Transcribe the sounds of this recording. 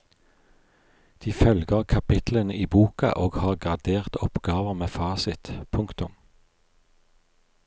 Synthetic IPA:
d̪̥iːfœlɡəʁkʰɑpɪt̪lənəʔiːbuːkɑ̰ʔoːɡhɑːʁɡʁɑd̪eːʁt̪ɔpɡɑːʋəmeːfɑːsɪt̪pʰʊŋkt̪ʊm

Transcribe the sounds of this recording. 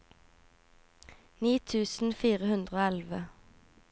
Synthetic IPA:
niːt̪ʰʉːsn̩fiːʁəhʉnd̪ʁəoːɛlʋə

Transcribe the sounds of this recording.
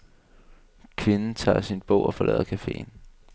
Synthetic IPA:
kʰʋe̝nn̩t͡sʰɑ̰̈ːsinb̥ɔ̰ʊɒ̽fɒ̽lɛ̰ðˠɐkʰæfe̝̰ːn

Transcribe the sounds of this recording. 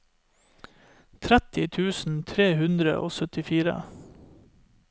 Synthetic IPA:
t̪ʰɾæt̪ɪt̪ʰʉːsn̩t̪ʰɾeːhʉnd̪ɾə̰ʔo̰ːsœt̪ɪfiːɾə̰

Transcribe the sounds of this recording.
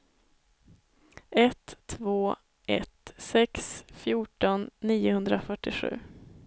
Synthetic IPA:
ʔɛt̪ʰːvoː | ʔɛ̰t̪sɛksfjuːʈɔnːiːʊhɵnd̪ɾafœʈːɪɧʉ̟̰ː

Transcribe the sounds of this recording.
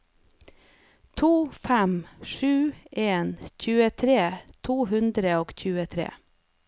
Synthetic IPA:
t̪ʰuːfæmʃʉːʔeːnc͡çʉːət̪ʰɾeːt̪ʰuːhʉnd̪ɾəoːɡçʉːət̪ʰɾḛː

